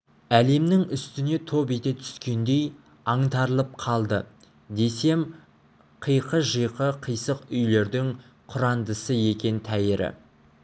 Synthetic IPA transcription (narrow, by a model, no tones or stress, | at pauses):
æle̞mnɪŋʏst̪ɪne̞t̪ʰo̞bet̪et̪ʰʏ̥skʲe̞nd̪e̞j | ɑɴt̪ɑɾəlˠəp̚qʰɑlˠd̪ə | d̪e̞se̞m | qʰəjqəʒəjqəqʰəjsəqʏjle̞ɾd̪ɪŋ | qʰʊɾɑnd̪əsəje̞kʲe̞nt̪ʰæjɪɾɪ̰